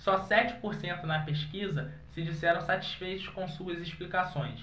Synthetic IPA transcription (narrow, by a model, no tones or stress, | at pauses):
sɔsɛt͡ʃɪ̥poɾsẽnt̪ʊnɐpeʃkizɐ | sɪd͡ʒisɛɾɐ̃w̃sat͡ʃi̥sfejt̪ʊskõw̃suɐziʃplikasõj̃s